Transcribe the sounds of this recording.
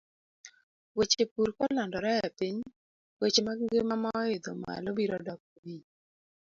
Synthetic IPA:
wet͡ʃepuɾkɔlandɔɾɛjapiɲ | wet͡ʃemaŋɡemamaed̪o̰ma̰lobiɾɔdɔk̚wi

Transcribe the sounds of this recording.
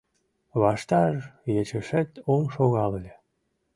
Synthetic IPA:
βɑʃt̪ɑrjet͡ɕəʃet̪omʃoɣɑllʲe

